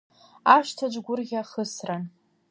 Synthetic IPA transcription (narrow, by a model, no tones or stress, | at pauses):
aʃtʰad͡ʒʷɡʷʊrɣʲaχəsran